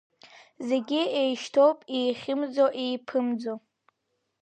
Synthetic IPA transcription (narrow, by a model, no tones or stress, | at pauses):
ze̞ɡʲiejʃtʰowpʼejχʲɪmd͡zoʔejpʰɨmd͡zo